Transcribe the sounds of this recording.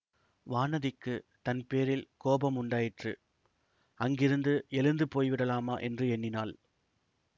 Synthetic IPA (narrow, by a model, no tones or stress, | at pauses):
ʋaːnɐðɪkːɯt̪ɐnpeːɾɪlkoːbɐmʊɳɖaːjɪʈrɯ | ɐŋɡɪɾɯnd̪ɯʔɛlɯnd̪ɯpoːjʋɪɽɐlaːmaːʔɛndrɯɛɳːɪnaːl